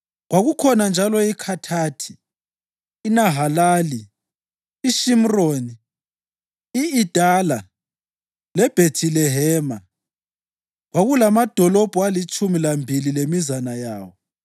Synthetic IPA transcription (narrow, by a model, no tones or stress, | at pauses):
ɣwaɣukʰɔnand͡ʒʱalɔikʰatʰaːtʰi̥ː | naɦalaːliː | ʃim̩roːni | iid̥ʱala | lɛb̥ʱetʰilɛɦɛːma | ɣwaɣulamad̥ʱɔlɔb̥ʱuwalit͡ʃʼumilambʱililemizanajaːwɔ